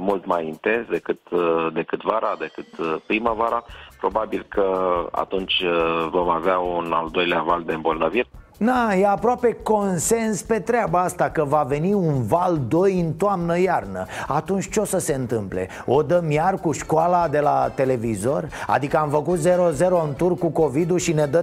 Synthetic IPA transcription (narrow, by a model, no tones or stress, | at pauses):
mult̪majint̪e̞nsd̪e̞kɨt̪d̪e̞kɨt̪vaɾad̪e̞kɨt̪pɾimavaɾapɾo̞babilkʰəa̰t̪unt͡ʃʲvo̞maveauna̰ld̪o̞jleavald̪embo̞lnavir | d̪ajeapɾoape̞ko̞nse̞nspe̞t̪ɾeabaast̪akəvave̞niunvald̪o̞jɨnt̪oamnəjarnəat̪unt͡ʃʲt͡ʃo̞səse̞ɨnt̪ɨmple̞̰ | o̞d̪əmjarkuʃkoalad̪e̞lat̪e̞le̞vizo̞ra̰d̪ikəamfəkut̪ze̞ɾo̞ze̞ɾo̞ɨnt̪urkuko̞vid̪uʃine̞d̪ə